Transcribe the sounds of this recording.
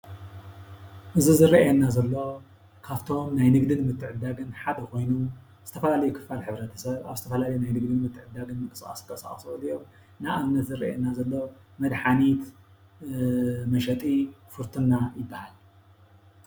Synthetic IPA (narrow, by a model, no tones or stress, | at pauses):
ʔɨzizɨɾiʔjɛnːazɐlːo̞ | kʰaβt̪ʰo̞mnajnɨɡd̪ɨnmɨt̪ʰːɨʕɨd̪ːaɡɨnħad̪ɐkʰo̞jnum | z̥ɨt̪ʰɐfɐlalɐjukʰɨ̥falħɨβɾɐt̪ʰɐ̥sɐβa̰βzɨt̪ʰɐfɐlalɐjunajnɨɡd̪ɨnmɨt̪ʰːɨʕɨd̪ːaɡɨnmɨkʼɨskʼa̰skʼɐsa̰χʼsolijːom | naamnɐt̪zɨɾḭʔḛnːazɐlːo̞ | mɐd̪ħanit̪ | mɐʃɐt̪ʼifɨɾt̪ʰɨnːajɪbːahal